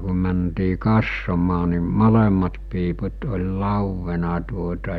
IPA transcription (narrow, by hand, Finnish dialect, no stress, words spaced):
ku mæntiː kɑsːomɑː ni molemːɑt piːput olʲ lɑˑuʋːenɑ tuotɑ